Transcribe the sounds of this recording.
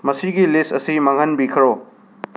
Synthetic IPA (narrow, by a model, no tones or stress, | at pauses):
mɐsiɡilistɐsimɐŋɦɐnbikʰɐɾo